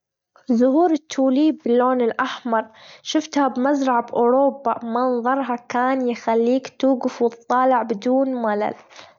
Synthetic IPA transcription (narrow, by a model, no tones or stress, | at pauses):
zʊhuːɾɪt̪ʰːuːliːbːɪlːoːnɪlʔaħmɑɾˤʃɪft̪habmazɾˤɑʕabʔoːɾoːbːamɑnðˤɑɾˤɦɑkaːnjɪxalːiːkt̪uːɡɪfwɨt̪ˤːɑːlɪʕbɪd̪uːnwala̰l